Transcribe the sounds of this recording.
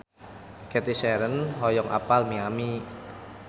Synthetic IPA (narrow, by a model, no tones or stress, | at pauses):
kɛt̪isɛɾənɦɔjɔŋʔa̰palmiami